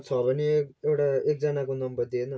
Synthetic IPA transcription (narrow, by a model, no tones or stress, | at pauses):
t͡sʰɔpʌnikewʈaek̚d͡zʌnakonʌmbəd̪ena